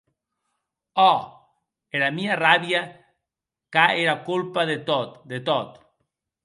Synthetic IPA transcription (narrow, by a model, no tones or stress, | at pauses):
o | eɾamiaraβja | kaeɾakulpaðet̪ot̪d̪et̪ot̪